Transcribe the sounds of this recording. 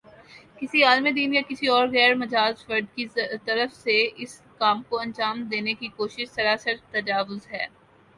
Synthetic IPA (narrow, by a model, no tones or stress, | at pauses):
kɪsiaːlmed̪iːnjakɪsiɔːɾɣɛːɾmɐd͡ʒaːd͡ʒfɐɾɖkit̪ɐɾəfseɪs | kaːmkoɐ̃nd͡ʒaːmd̪eːnekikoːʃɪʃsɐɾaːsəɾt̪ɐd͡ʒaːʋʊzɦɛː